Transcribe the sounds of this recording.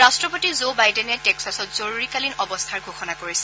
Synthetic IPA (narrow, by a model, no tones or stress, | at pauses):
astɹɔpotizobajdɛnɛtɛksasɔtz̥oɹuɹikalinɔbɔst̪ʰaɹɡʱoxɔnakoɹisɛ̥